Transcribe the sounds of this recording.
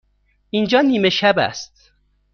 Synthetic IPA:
ind͡ʒɒːniːmeʃæbæ̰st̪̚

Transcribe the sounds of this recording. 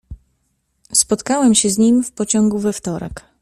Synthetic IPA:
spɔt̪kawɛmɕɛzɲimfpɔt͡ɕɔŋɡuvɛft̪ɔɾɛ̰k

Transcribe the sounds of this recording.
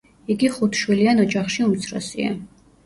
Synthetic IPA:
iɡiχut̪ʰʃwilianɔd͡ʒaχʃiumt͡sʰrɔ̰sḭɛ̰

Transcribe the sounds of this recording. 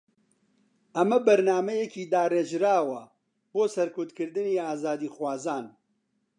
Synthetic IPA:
ɐmɐbɐɾnaːmɐjeciːd̪aːreːʒɾaːwɐ | boːsɐɾkʊt̪kɨɾd̪ɨniːaːzaːd̪iːxwaːzaːn

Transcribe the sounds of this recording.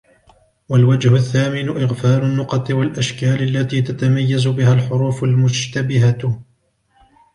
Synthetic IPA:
walwad͡ʒhʊθːaːmɪnʊʔɪɣfaːlʊnːʊqɑt̪ˤɨwalʔaʃkaːlalːat̪iːt̪at̪amajːazʊbɪhalħʊɾuːfʊlmʊd͡ʒt̪abɪɦa

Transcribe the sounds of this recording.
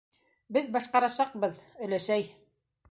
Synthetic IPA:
bɘðbɑʃqɑɾɑʃɑq̚bɤðɵ̆læʃæj

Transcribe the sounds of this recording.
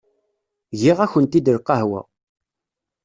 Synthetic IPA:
ʝiʁæçənt̪id̪əɾqːɑɦwæ̰

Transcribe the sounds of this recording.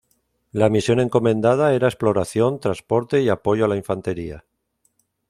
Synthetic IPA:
lamisjo̞neŋko̞mẽ̞nd̪að̞ae̞ɾae̞splo̞ɾaθjo̞nt̪ɾaspo̞ɾt̪e̞iapo̞jʝoalaiɱfant̪e̞ɾia̰

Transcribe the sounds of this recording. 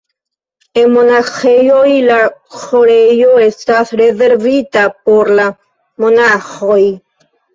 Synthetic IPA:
emonaxejojlaxoɾejoest̪aθɾeðeɾvit̪apoɾla | monaxoj

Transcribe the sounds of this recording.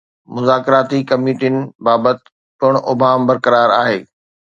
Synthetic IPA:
mʊzaːkɾaːt̪ikɐmiːʈiɪnɪ̆baːbət̪ɪ̥ | pʊɽ̃ʔʊbʱaːmbɐɾkɐɾaːɾaːɦeː

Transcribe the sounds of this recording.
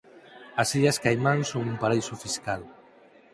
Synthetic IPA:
ɐsiʎɐskajmaŋsoŋumpaɾejsʊfiskal

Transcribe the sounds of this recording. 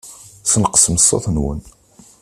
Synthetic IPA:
sənqə̥sməsˤːɑ̰θnwə̰n

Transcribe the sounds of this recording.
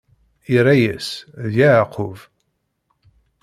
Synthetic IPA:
iɾˤæjəsðjaʕqʰʊv

